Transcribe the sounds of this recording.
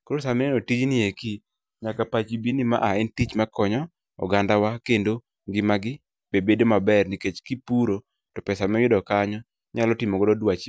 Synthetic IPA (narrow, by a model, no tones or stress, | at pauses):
koɾosamɛnotid͡ʒnɪeki | ɲakapat͡ʃibinima̰ʔaɛntit͡ʃmakɔɲɔ | ɔ̰ɡandawakendo | ŋɡɪmaɡɪ | b̥ebedomabɛrniket͡ʃkipuɾo | tɔpɛsamɛjɪdɔkaɲɔ | ɲalɔtɪmɔɡɔdɔdwat͡ʃ